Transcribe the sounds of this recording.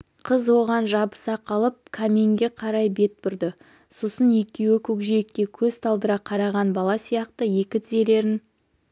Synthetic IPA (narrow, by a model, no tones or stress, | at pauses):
qʰəzwo̞ʁɑnʒɑbə̥sɑqʰɑlˠəp̚kʰamʲeŋɡʲe̞qʰɑɾɑjbe̞t̪̚pʏɾd̪ɪ | so̞sənje̞kʲːe̞wɪkʲʰɵkʒijekːʲe̞kʲʰɵzt̪ʰɑlˠd̪əɾɑqʰɑɾɑʁɑnbɑlˠɑsijɑqt̪əje̞kʲɪt̪ʰɪze̞le̞ɾɪn